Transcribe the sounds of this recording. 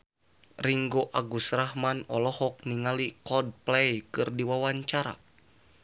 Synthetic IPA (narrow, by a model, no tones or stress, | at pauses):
riŋɡoʔaɡusrahmanɔlɔhɔk̚niŋalikɔd̚plɛjkɨrdiwawaɲt͡ʃaɾa̰